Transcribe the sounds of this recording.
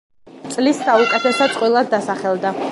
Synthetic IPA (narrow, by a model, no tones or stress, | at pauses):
t̪sʼlisːaukʼɛt̪ʰɛsɔt̪sʼqʼwilˠad̪ːasaχɛlˠd̪a